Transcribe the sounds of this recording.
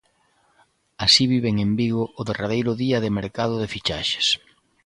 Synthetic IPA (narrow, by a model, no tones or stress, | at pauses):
asiβiβeŋembiɣʊʊðerað̞ejɾʊðiɐðɪmeɾkað̞ʊðɪfit͡ʃaʃe̥s